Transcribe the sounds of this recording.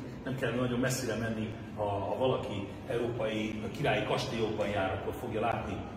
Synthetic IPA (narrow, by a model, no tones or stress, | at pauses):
nɛmkɛlnɒɟo̞mːɛsːiɾɛmɛnːi | hɒːvɒlɒki | ɛuɾoːpɒjikiɾaːjikɒʃt̪ijoːbɒiaːɾɒkkːorfo̞ɡjɒlaːt̪ni